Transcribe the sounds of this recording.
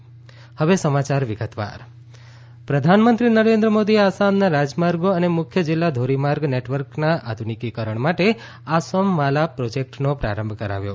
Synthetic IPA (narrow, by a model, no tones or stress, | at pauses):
həʋesəmat͡ʃaɾʋɪɡət̪ʋa̰ɾ | pɾəd̪ʱanmənt̪ɾinəɾend̪ɾəmod̪ieasamnaɾad͡ʒmaɾɡoənemʊkʰjəd͡ʒɪlːad̪ʱoɾimaɾɡneʈʋəɾknaʔa̰d̪ʱunikikəɾəɳmaʈe | asəmʋalapɾod͡ʒek̚ʈnopɾa̰ɾəmbʱkəɾa̰ʋjo̰